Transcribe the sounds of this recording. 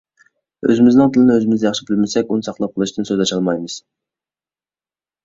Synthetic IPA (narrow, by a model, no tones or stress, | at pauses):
ø̰zɪmɪznɪŋt̪ʰɨlɪnɪøzɪmɪzd̪ɛjɑχʃɪbɪlmɪsɛkʲunɨsɑχlˠɑp̚qʰəlˠɨʃt̪ɨnsøzlɛʃɑlˠmɑjmɨz̥